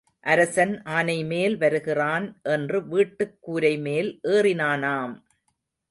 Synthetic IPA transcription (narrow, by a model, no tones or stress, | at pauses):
ʔɐɾɐsɐnʔaːnɐɪmeːlʋɐɾɯɣɪraːnʔɛndrɯʋiːʈːɯkːuːɾɐɪmeːlʔeːrɪnaːnaːm